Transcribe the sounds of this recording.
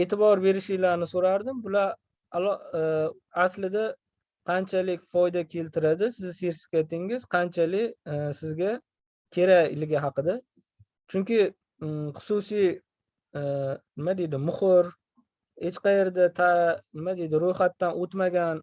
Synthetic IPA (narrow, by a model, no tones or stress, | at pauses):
et̪ʰɪbɒɾbe̞ɾɪʃɪjlaɾnɪsoɾaɾd̪ɪmbʊlaɾ | al | aslɪd̪a | qʰɑnt͡ʃʰalɪkʲfɒjd̪akʲʰe̞lt̪ʰɪɾad̪ɪsɪzseɾsɪ̥kʲajt̪ɪŋɪz̥qʰɑnt͡ʃʰalɪkʲsɪzɡʲa | kʲʰe̞ɾaɪ̰lɡʲaɦɑqɨd̪a | t͡ʃʰʊŋkʲɪ | χʊ̥sʊsij | nɪmad̪ejd̪ɪmʊχʊɾ | het͡ʃqɑje̞ɾd̪at̪ʰanɪmad̪ejd̪ɪɾojχat̪ːanot̪maɡʲan